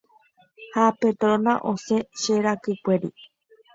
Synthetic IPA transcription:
hapet̪ɾonãʔoseʃeɾakɨkʷeɾḭ

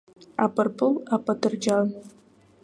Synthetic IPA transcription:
apɨrpʰɨlˠapatʰɨrd͡ʒan

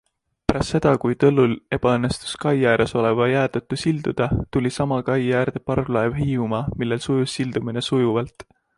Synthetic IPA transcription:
pæɾɑst̪se̞d̪̥ɑkujt̪ɤlːule̞b̥ɑɤnːe̞st̪u̥skɑjjæːɾeso̞le̞vɑjæːt̪ɤt̪ːˑusild̪̥ud̪̥ɑt̪ulʲisɑmɑkɑjːæːrd̪̥e̞pɑrvlɑevɦiːumɑmilːe̞lsujusːild̪̥umine̞sujuvɑlt̪

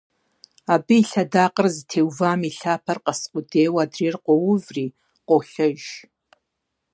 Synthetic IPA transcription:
aːbɨiɬɐdaːqərzɨtʰeːwvaːmiɬaːpʰɐrqɐsqʷʼʊdeːwaːdriːrqʷʼɔwʊvriː | qʷʼɔɬɐʒ

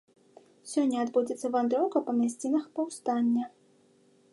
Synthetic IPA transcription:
sʲɔnʲːɐːd̪bud͡zʲɪt̪sːɐvand̪ɾɔwkɐpɐmʲasʲt͡sʲinɐxpɐwst̪anʲːɐ

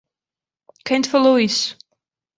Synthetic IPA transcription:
kʰɛ̃nt̪fəluis

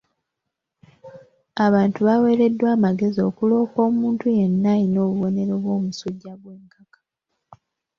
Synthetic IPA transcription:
aβaːntuβawe̞ːɾe̞dːwaːmaɡe̞zio̞kulo̞ːko̞ːmuːntuje̞nːaino̞ːβuβo̞ne̞ɾo̞βwo̞ːmusuɟːaβwe̞ːŋkakḁ

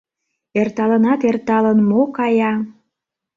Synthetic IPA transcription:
ert̪ɑlənɑt̪ert̪ɑlənmokɑjɑ

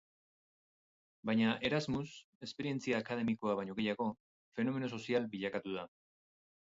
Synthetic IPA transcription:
bajɲaʔe̞ɾazmus | e̞spe̞ɾie̞nt͡siaːkað̞e̞miko̞aβaɲo̞ɣe̞jaɣo̞ | fe̞no̞me̞nos̬o̞sialbiʎakat̪uða

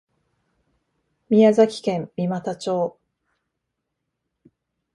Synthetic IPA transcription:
mʲijazakʲi̥kẽ̞mmːʲimat̪at͡ɕo̞ː

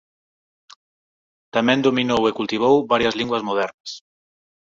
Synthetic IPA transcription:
t̪amɛ̃nd̪ominowekult̪iβ̞owβaɾjazlĩŋɡwazmoð̞ɛɾnas

